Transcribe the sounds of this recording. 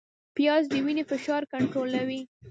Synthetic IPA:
pjɑzd̪əwinefɪʃɑɾkaɳʈɾolawi

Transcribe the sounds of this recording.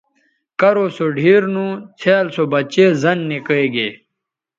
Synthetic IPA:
kɐɾoːsoɖʱiːɾnũt͡sʰeːlsobɐt͡ɕeːzɐnːikəɡeː

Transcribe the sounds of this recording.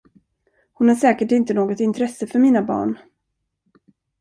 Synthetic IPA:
hʊnhaʂɛːkəʈɪnt̪ənoːɡɔt̪ɪnt̪ʰɾɛsːəfœɾmiːnabɑ̰ːɳ

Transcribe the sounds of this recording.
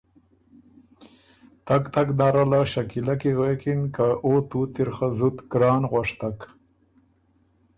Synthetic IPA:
t̪akt̪aknaɾalaʃakilakiɣekinkaot̪ut̪iɾxazut̪ɡɾɑːnɣaʂt̪ak

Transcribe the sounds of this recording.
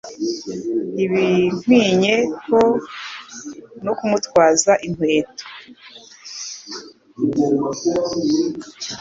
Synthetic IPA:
iβin̥hwiːɲe̞ko | nokumutkwaːzaʔin̥hweːto̥

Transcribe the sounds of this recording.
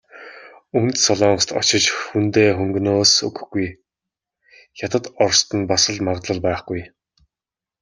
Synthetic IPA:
ɵnt̪sɔɮɔːŋst̪ɔ̰t͡ɕɪ̆t͡ɕxunt̪eːxɵŋɡɵnoːsɵɡɵ̆xɡuj | çʲat̪ə̆t̪ɔrst̪ə̆npasə̆ɮmaʁt̪ɮə̆ɮpæːχɡuj

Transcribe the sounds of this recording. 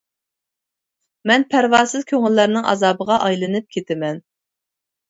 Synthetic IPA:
mɛnpʰæɾvɑːsɨzkʲʰøŋɪlːæɾnɪŋʔɑ̰zɑːbəʁɑʔɑjlˠɨnɨp̚kʲʰet̪ʰɪmɛn

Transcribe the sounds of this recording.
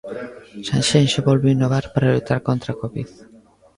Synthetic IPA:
ʃanʃenʃaβolβinoβaɾpaɾalut̪aɾkõnt̪ɾakoβið

